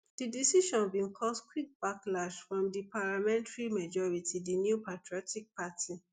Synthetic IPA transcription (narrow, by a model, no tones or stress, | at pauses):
d̥idisiʃɔ̃nbĩnkʰɔskwik̚b̥aklaʃfɹɔ̃mdipalamɛ̃ntaɹimad͡ʒɔɹitʰidinjupatɹiɔtik̚patʰi